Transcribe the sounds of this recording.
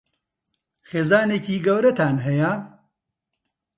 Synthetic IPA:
xeːzaːneːciːɡɐwɾɐt̪ʰaːnɦɛja

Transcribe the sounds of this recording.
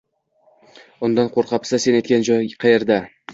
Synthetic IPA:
ʊnd̪ɑnqʰoɾqɑpsase̞net̪kʲand͡ʒɒjqʰɑjeɾd̪a

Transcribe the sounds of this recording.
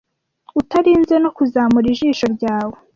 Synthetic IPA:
utaɾiːnze̞no̞kuzaːmuɾiʒiːʃo̞ɾɟaːwe

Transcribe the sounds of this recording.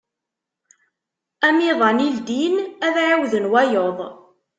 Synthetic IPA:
æmiðˤɑnild̪inæðʕawðənwæjoðˤ

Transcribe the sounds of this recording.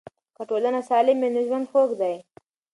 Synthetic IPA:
kaʈolanasɑlɪmːenɪʒwand̪xokd̪aj

